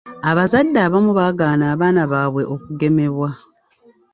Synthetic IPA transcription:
aβazadːaːβamuβaːɡaːnaːβaːnaβaːβwe̞ʔo̞kuɡe̞me̞βwa

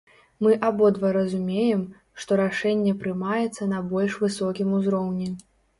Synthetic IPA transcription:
mɨʔabɔd̪vɐɾɐzumʲejɛm | ʂt̪ɔɾaʂɛnʲːɛpɾɨmajɛt̪sːɐnɐbɔlʲʂvɨsɔkʲimuzɾɔwnʲɛ

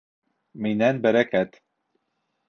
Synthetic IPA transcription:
minɛnbɛɾɛkɛt̪

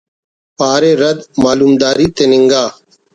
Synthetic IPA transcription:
paːɾeːɾəd̪maːluːmd̪aːɾiːt̪eːnɪŋɡaː

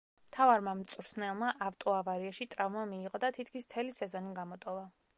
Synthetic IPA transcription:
mmt̪ʰavaɾmamt̪sʼuɾsnɛlˠmaʔavt̪ʼɔavaɾiaʃit̪ʼɾavmamiːqʼɔd̪at̪ʰit̪ʰkʰmism̥t̪ʰɛlisɛzɔniɡamɔt̪ʼɔva

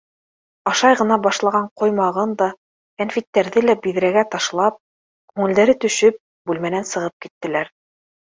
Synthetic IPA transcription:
ɑʃɑjʁɤ̆nɑbɑʃlˠɑʁɑɴqŏjmɑʁɤnd̪ɑ | kænfit̪ːæɾðɘlæbiðɾæɡæt̪ɑʃlˠɑp̚ | kʉŋɘ̆ld̪æɾɘt̪ɵ̆ʃɵp̚ | bʉlmænænsɤ̆ʁɤp̚kit̪ːɘ̆læɾ

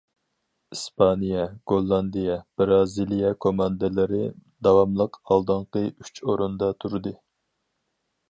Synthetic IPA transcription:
ispʰɑnijɛɡ̥olˠːɑnd̪ijɛb̥ɾɑzilijɑkʰomɑnd̪ɨlɪɾɪd̪ɑwɑmlˠəqɑlˠd̪ɨɴqəy̥t͡ʃʰoɾund̪ɑt̪ʰuɾɨd̪ɨ

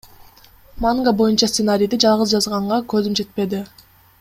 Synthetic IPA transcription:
maŋɡabo̞junt͡ʃɑst̪senaɾʲijd̪id͡ʒɑlˠʁɯzd͡ʒɑzʁɑɴʁɑkø̞zymd͡ʒe̞t̪̚pe̞d̪ɪ

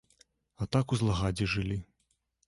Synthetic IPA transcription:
at̪akuzlˠaɣad͡zʲiʐɨlʲi

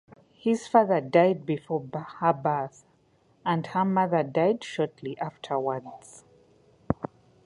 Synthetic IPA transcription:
hiz̥faðə˞dajd̚bifɔbhəbaθ | ə̃ndhə˞mʌðə˞daɪdʃɔɹtʰliʔaftʰə˞wəds

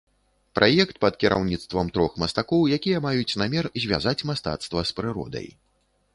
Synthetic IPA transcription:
pɾʔajɛkt̪̚pɐt̪kʲiɾʔa̰wnʲit̪st̪vɐmt̪ɾɔxmɐst̪akɔwjakʲijɐmajut͡sʲnamʲɛrzʲvʲa̰zat͡sʲmast̪a̰t̪st̪vɐspɾɨɾɔ̰d̪ɐ̰j

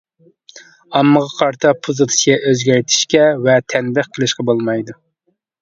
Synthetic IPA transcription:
ɑmːəʁɑqʰɑɾt̪ʰɑpʰuzɨt̪ʰɨ̥sijɛʔøzɡʲæɾt̪ʰɪ̥ʃkʲɛvɛt̪ʰɛnbɪχkʰelɪʃqɑbolˠmɑjd̪u

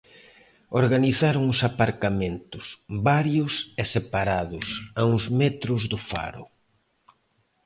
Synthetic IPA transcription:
oɾɣaniθaɾʊŋʊsapaɾkamẽnt̪ʊsβaɾjʊsɛsepaɾaðʊsauŋzmɛt̪ɾʊzðʊfa̰ɾʊ̰

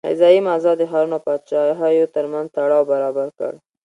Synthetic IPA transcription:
a̰zɑjimazɑd̪əxɑɾunopɑd̪t͡ʃɑɦɑjot̪əɾmanzt̪aɽɑwbaɾɑbaɾkə̰ɽ

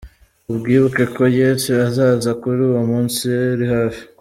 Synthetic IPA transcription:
ubɡiːβukekʰo̞jeseazaːzakuɾuːwomuːnsieɾihafi̥

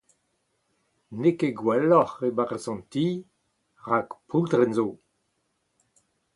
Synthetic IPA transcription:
nekeɡwalɔχebaʁasɑ̃nt̪i | ʁakpʰuld̪ʁɛnzoː

